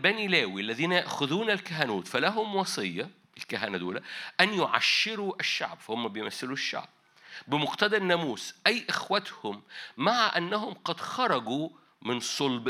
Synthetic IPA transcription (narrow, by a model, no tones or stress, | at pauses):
bænilæːwiʔalːæðiːnæjaʔxʊðuːnalkaɦænuːt̪fælaɦʊmwɑsˤɨjːɑ | ɪlkaɦænad̪ṵːlaʔænjʊʕa̰ʃːɪɾuʔɪʃːa̰ʕbfahʊmːæbɪjmæθːɪluʃːa̰ʕb̥̚ | bɪmʊɡt̪ad̪ɑnːæmuːsʔæjːʔɪxwat̪hʊmːaʕaʔanːaɦʊmqɑd̪xɑɾˤɑɡu | mɪnsˤʊlb